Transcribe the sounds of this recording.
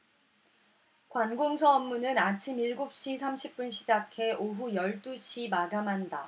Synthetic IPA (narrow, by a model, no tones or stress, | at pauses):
kwanɡoŋsʰʌʌmːunɯnat͡ɕʰimiɭɡop̚ɕ͈isʰamɕʰip̚p͈unɕ̬ʰid͡ʑakʰe̞ʔoɦujʌɭt͈uɕʰimaɡamɦanda